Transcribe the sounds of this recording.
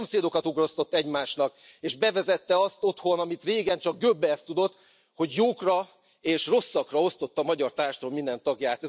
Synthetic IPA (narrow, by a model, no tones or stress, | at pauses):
omseːd̪o̞kɒt̪uɡro̞st̪o̞t̪ːɛɟmaːʃnɒkeːʒbɛvɛzɛt̪ːɛɒst̪o̞t̪ho̞nɒmit̪reːɡɛnt͡ʃɒɡ̚ɡøbːɛɛst̪ud̪o̞t̪ː | ho̞ɟjoːkrɒ | eːʃro̞sːɒkrɒo̞st̪o̞t̪ːɒmɒɟɒrt̪aːrʃt̪romind̪ɛnt̪ɒɡjaːt̪ɛ